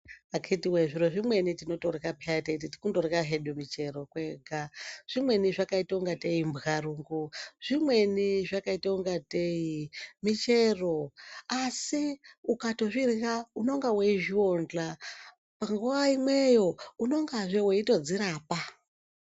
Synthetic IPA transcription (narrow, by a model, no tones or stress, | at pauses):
akʰetiweʐiɾoʐimwe̞nitino̞torikapeatetitikutorekaɦeɗumit͡ʃe̞ro̞kweːɡʱaʐ̥imwe̞niʐakaitauŋɡate̞imbɣaruːŋɡuʐ̥imwe̞niʐakaitauŋɡateimit͡ʃeroasiukato̞ʐirirauno̞ŋɡaweiʒiond͡ɮa | paŋɡuʋaimwe̞jo̞uno̞ŋɡaʐeweito̞d͡ziɾaːpa